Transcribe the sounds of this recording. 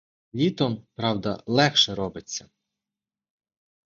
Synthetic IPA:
lʲit̪ɔmpɾɑwd̪ɐ̰lˠɛxʃɛɾɔbɪt͡sʲːɐ

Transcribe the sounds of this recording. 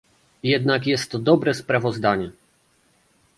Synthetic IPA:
jɛd̪nakjɛst̪ːɔd̪ɔbɾɛspɾavɔzd̪aɲɛ

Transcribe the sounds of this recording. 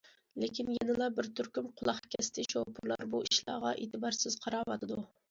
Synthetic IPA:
lekʲʰinjɛnɪlˠɑbɪɾt̪ʰyɾkʲymqʰʊlˠɑχkʲʰɛst̪ʰɪʃowpʰuɾlˠɑ̰ɾbuiʃlˠɑ̰ːʁɑʔeːt̪ʰɨbɑɾsɪz̥qʰɑɾɑwɑt̪ʰɨd̪u

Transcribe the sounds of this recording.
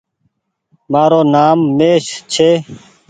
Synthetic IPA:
maːɾoːnaːmːeːʃt͡ʃʰeː

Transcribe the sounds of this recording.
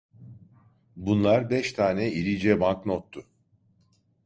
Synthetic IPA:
bunlˠaɾbɛʃt̪ʰaːnɛiɾid͡ʒɛbanknot̪ʰːʊ

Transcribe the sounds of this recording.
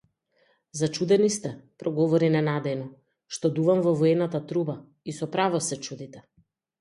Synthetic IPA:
zat͡ʃud̪ɛnist̪ɛpɾɔɡɔvɔɾinɛnad̪ɛjnɔ | ʃt̪ɔd̪uvamvɔvɔɛnat̪at̪ɾuba | isɔpɾavɔsɛt͡ʃud̪it̪ɛ

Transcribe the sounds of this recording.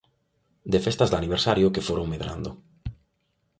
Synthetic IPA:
d̪efest̪azd̪aniβ̞eɾsaɾjokefoɾoŋmeðɾa̰nd̪ʊ̰

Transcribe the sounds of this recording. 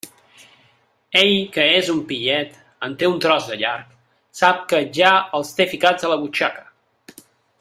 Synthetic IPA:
eʎkəezumpiʎɛt̪ | ənt̪eunt̪ɾɔzd̪əʎaɾk̚ | sap̚kəʒaəlˠst̪efikad͡zələβut͡ʃakə̥

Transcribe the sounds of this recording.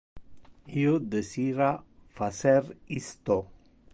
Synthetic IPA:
ijod̪əsiɾafasɛɾist̪o

